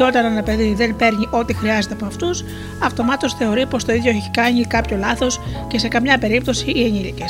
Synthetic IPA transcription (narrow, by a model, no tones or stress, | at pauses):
o̞t̪ɐnɐnɐpe̞ðiðe̞npe̞ɾɲiʔo̞t̪ixɾiɐze̞t̪eɐpoɐft̪us | ɐft̪o̞mɐt̪o̞sθe̞o̞ɾipo̞st̪o̞iðʝo̞eçei̥kɐɲikɐpço̞lɐθo̞sce̞se̞kɐmɲɐpe̞ɾip̚t̪o̞siːeɲilices